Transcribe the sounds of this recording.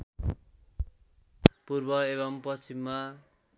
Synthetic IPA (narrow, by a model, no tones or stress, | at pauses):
purbʌeβʌmpʌst͡ɕimːa